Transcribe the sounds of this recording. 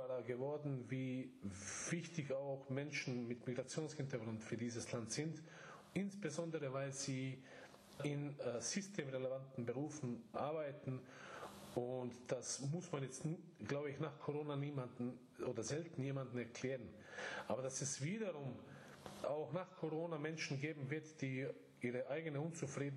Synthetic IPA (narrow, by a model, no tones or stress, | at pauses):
aːdaɡəvɔɐdn̩viː | v̥ɪçtɪçaʊxmɛnʃn̩mɪtmiɡʁat͡sjoːnshɪntɐɡʁʊntfyːɐdiːzəslantz̥ɪnt | ʔɪnsb̥əzɔndəʁəvaɪlz̥iː | ɪnz̥ʏstʰeːmʁelevantn̩bəʁ̞uːfn̩ʔaɐbaɪtn̩ | ʊntd̥asmʊsmanjɛt͡st | ɡ̥laʊbəɪçnaːχkʰoʁoːnaniːmandn̩ | ʔoːdɐzɛltn̩jeːmandn̩ɛɐkʰl̥ɛːʁən | ʔaːbɐd̥asɛsv̥iːdɐʁʊm | ʔaʊxnaːχkʰoʁoːnamɛnʃn̩ɡeːbm̩vɪɐtd̥iː | ʔiːʁəʔaɪɡənəʊnt͡sufʁ̥iːdn̩